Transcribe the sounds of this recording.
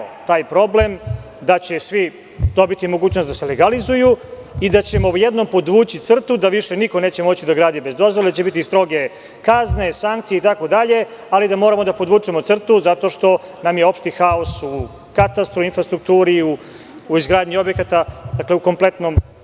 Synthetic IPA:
t̪aːjpɾo̞ble̞m | d̪at͡ɕe̞sʋi | d̪o̞bit̪imo̞ɡuːt͡ɕnost̪d̪aseleɡalizuju | id̪at͡ɕe̞mo̞jed̪no̞mpo̞d̪ʋuːt͡ɕit̪sr̩t̪ud̪aʋiʃeniko̞neːt͡ɕe̞mo̞t͡ɕid̪aɡɾaːd̪ibe̞zd̪o̞zʋold̪at͡ɕebit̪ist̪ɾo̞ɡe̞ | kazne̞saŋkt̪sijeit̪ako̞d̪aʎe̞ | alid̪amoːɾamo̞d̪apo̞d̪ʋuːt͡ʃemot̪sr̩t̪uzat̪o̞ʃt̪o̞namjeo̞pʃt̪ixaosu | kat̪ast̪ɾuinfɾast̪ɾuk̚t̪uːɾiuː | izɡɾaːd̪ɲio̞bjekat̪ad̪akleuko̞mple̞t̪nom

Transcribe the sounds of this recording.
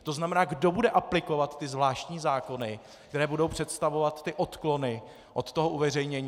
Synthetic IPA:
t̪o̞znamɛnaːɡdo̞budɛʔaplɪko̞vat̪ːɪzvlaːʃt̪ɲiːzaːko̞nɪ | k̚t̪ɛɾɛːbudo̞wpr̝̥ɛt̪st̪avo̞vat̪ːɪʔot̪klo̞nɪ | ʔo̞t̪t̪o̞ɦoʔuvɛrɛjɲɛɲː

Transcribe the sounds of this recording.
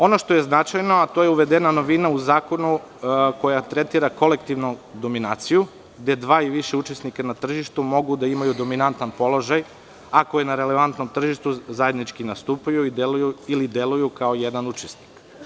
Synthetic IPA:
o̞no̞ʃt̪o̞je̞znat͡ʃajno̞at̪ojeuʋed̪enano̞ʋinauzaːko̞nu | ko̞jat̪ɾe̞t̪iːɾako̞le̞kt̪iʋnud̪o̞minaːt̪siju | ɡd̪e̞d̪ʋaːiʋiʃeut͡ʃesnikanat̪r̩ʒiʃt̪umo̞ɡud̪aimajud̪o̞minant̪anpo̞lˠo̞ʒaj | akojenaɾele̞ʋant̪no̞mt̪r̩ʒiʃt̪uzaje̞d̪nit͡ʃkinast̪uːpajuid̪elujuilid̪elujukaojed̪anut͡ʃesni̥k

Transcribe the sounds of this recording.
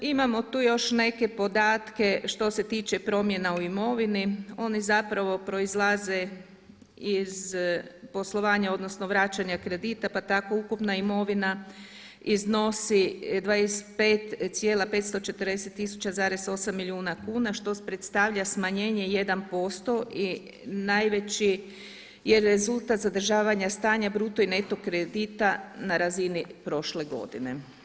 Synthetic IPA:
imamo̞t̪uːjo̞ʃne̞ke̞po̞d̪aːt̪ke̞ʃt̪o̞se̞t̪iːt͡ʃe̞pɾo̞mje̞nauimo̞ʋinio̞nizapɾaʋo̞pɾo̞izlˠaze̞ | izpo̞slˠo̞ʋaːɲao̞d̪no̞sno̞ʋɾaːt͡ʃaɲakɾe̞d̪it̪apat̪ako̞ukupnaimo̞ʋina | izno̞sid̪ʋajesetpeːt̪t̪sʲje̞ːlape̞t̪st̪o̞t͡ʃe̞t̪ərd̪ese̞t̪ːisu̥t͡ɕazaːɾe̞so̞samːilʲiuːnakuːnaʃt̪o̞pɾet̪st̪aʋʎasmaɲe̞ːɲe̞je̞d̪anpo̞st̪o̞ʔi | najʋe̞t͡ɕi | jeɾe̞zulˠt̪at̪zad̪r̩ʒaːʋaɲast̪aːɲabɾuːt̪oine̞t̪o̞kɾed̪it̪anaɾazinipɾo̞ʃle̞ɡo̞̰d̪ine̞̰

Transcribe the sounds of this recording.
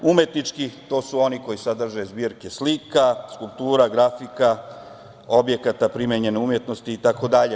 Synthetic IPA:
umjet̪nit͡ʃkit̪o̞ːsuo̞niko̞jisad̪r̩ʒazbiːɾkeslikaskulˠp̚t̪uːɾaɡɾafika | o̞bje̞kat̪apɾimeɲe̞neumje̞t̪no̞st̪iːt̪ako̞d̪aʎe

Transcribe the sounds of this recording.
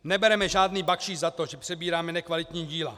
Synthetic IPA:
nɛbɛɾɛmɛʒaːdniːbakʃiːzat̪oʒɛpr̥ɛbiːɾaːmɛnɛkvalit̪ɲiːɟiːla̰

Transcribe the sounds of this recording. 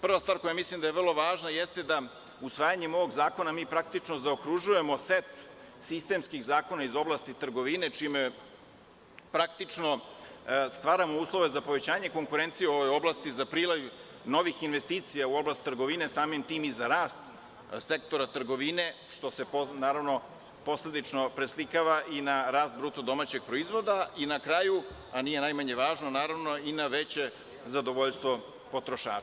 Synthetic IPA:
pr̩ʋast̪vaːɾko̞jamislˠimd̪ajevrlˠoʋaːʒnajest̪e̞d̪a | usʋaːjaɲemo̞ʋoɡzaːko̞namiːpɾak̚t̪it͡ʂno̞zaokɾuʒuje̞mo̞set̪ | sist̪e̞ːmskiɣzaːko̞naizo̞blˠast̪it̪r̩ɡo̞ʋine̞t͡ʂime | pɾakt̪it͡ʂno̞ | st̪ʋaːɾamo̞uːslˠo̞ʋe̞zapo̞ʋe̞t͡ɕaːɲe̞ko̞ŋkuɾent̪sijuo̞ʋojo̞blˠaːst̪izapɾiːlˠaju | no̞ʋixinʋest̪iːt̪sijauo̞blast̪ːr̩ɡo̞ʋine̞saːmimt̪iːmizaɾaːst̪̚ | se̞kt̪o̞ɾat̪r̩ɡo̞ʋine̞ʃt̪o̞se̞pnaːɾaʋno̞ | po̞sle̞d̪it͡ʃnopɾeslikaʋaʔinaɾaːst̪̚bɾuːt̪od̪o̞mat͡ɕe̞ɡ̥̚pɾo̞izʋo̞d̪ainakɾaju | anije̞najmaɲe̞ʋaːʒnonaːɾaʋno̞inaʋe̞t͡ɕe̞ | zad̪o̞ʋoʎst̪ʋo̞ | po̞t̪ɾoʃa̰ː

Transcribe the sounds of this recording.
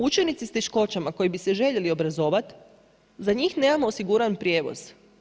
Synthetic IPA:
ut͡ʃenit̪sist̪eʃko̞t͡ɕamako̞jibiseʒe̞ʎe̞lio̞bɾazo̞ʋat̪ | zaɲiːxne̞ːmamo̞ːsiɡuːɾanpɾje̞ːʋo̰z̥

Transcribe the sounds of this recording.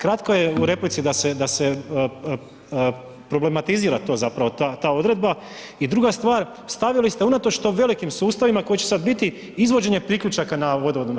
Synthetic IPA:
kɾat̪ko̞je̞uɾe̞plit̪sid̪ase̞d̪ase̞ | pɾo̞ble̞mat̪iziːɾat̪o̞ːzapɾaʋo̞t̪at̪aːo̞d̪ɾe̞d̪ba | id̪ɾuɡast̪ʋaːɾ | st̪aʋilist̪e̞unat̪o̞t͡ʃt̪o̞ʋe̞likimsuːst̪aʋimako̞jit͡ɕe̞sad̪bit̪i | izʋo̞d͡ʑe̞ɲe̞pɾikʎʲut͡ʃakanaʋo̞d̪oʋod̪un

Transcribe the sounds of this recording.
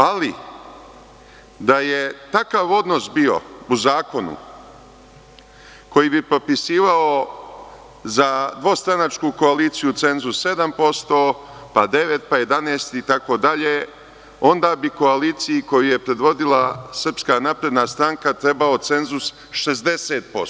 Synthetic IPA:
ali | d̪aje̞t̪akaːʋo̞d̪nosbio̞̰uzaːko̞nṵ | ko̞jibipɾopisiːʋao | zad̪ʋo̞st̪ɾanat͡ʃkuko̞aliːt̪sijut̪se̞nzusːe̞d̪ampo̞st̪o̞ː | pad̪e̞ʋe̞t̪̚paje̞d̪aneːst̪it̪ako̞d̪aʎe | o̞nd̪aːbiko̞aliːt̪sijiko̞juje̞pɾe̞d̪ʋo̞d̪ilasr̩pskaːnapɾe̞d̪nast̪ɾaŋkat̪ɾe̞bao̞t̪se̞nzus | ʃezd̪e̞seːt̪̚po̞s

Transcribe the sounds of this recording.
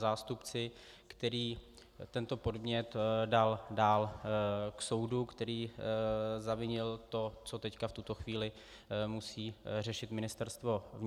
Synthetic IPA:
zaːst̪upt͡sɪkt̪ɛɾiː | t̪ɛnt̪opo̞dmɲɛt̪daldaːl | kso̞wdukt̪ɛɾiː | zavɪɲɪlt̪o̞t͡so̞t̪ɛckaft̪ut̪o̞xviːlɪ | musiːr̝ɛʃɪt̪mɪnɪst̪ɛɾst̪vo̞vɲ

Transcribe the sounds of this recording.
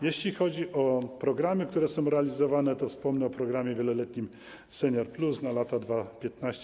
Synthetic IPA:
jeɕlʲixɔd͡ʑiʔɔpɾɔɡɾamɘkt̪uɾɛsɔ̃w̃ɾɛalʲizɔvanɛt̪ɔfspɔmnɛɔpɾɔɡɾamʲjɛvʲjɛlɔlɛt̪ɲim | sɛɲjɔɾplusnalat̪ad̪vapʲjɛt̪naɕt͡ɕ

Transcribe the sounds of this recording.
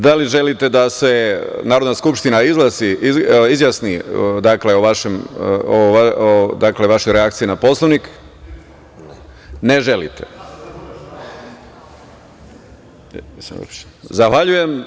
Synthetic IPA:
d̪aliʒe̞lit̪e̞d̪ase̞naːɾod̪naskupʃt̪inaizlˠasiizjasnid̪akleoʋaʃem | ad̪akle̞ʋaʃojɾeak̚t̪sijinapo̞slˠoʋnik | neʒe̞lḭt̪e | smo̰p | zaxʋaʎuje̞m

